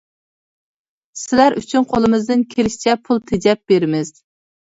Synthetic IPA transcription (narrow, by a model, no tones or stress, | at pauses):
sɪlæɾʔy̰t͡ʃʰynqʰolˠɨmɨzd̪ɨnkʲʰelɪʃi̥t͡ʃʰɛpʰulˠt̪ʰed͡ʒɛp̚b̥eɾɪmɪz̥